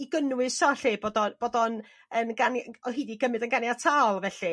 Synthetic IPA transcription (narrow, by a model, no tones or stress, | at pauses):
iɡənwɨsɔɬɪboːdɔb̥oːdɔn | ənɡanɔɦiːdiɡəmɨdənɡanjatʰalˠvɛɬi